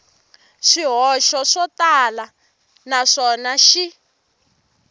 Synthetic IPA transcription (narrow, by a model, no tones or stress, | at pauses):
ʂiɦɔʃɔʂɔtala | naʂɔnaʃi